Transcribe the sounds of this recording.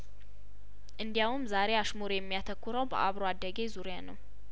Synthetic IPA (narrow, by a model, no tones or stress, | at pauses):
ʔɨnd̪ijawumzaɾe̞aʃmuɾejɛmːijat̪ʰəkːuɾəwbə̰ʔaβɾoad̪ːəɡe̞zuɾijanəw